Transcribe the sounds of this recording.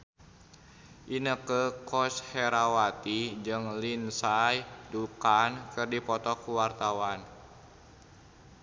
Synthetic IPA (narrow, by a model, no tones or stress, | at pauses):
ʔinəkəkɔshɛɾawat̪id͡ʒɨŋlinsajdukankɨrdipɔt̪ɔkuwart̪awan